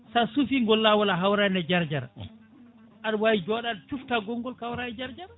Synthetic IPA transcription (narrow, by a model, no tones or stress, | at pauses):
sasufiŋɡɔlːawalaɦawɾanɛd͡ʒaɾd͡ʒaɾa̰ | ʔaɗwawid͡ʒɔɗaɗt͡ʃuftaɡɔŋɡɔlkawɾanɛd͡ʒaɾd͡ʒaɾa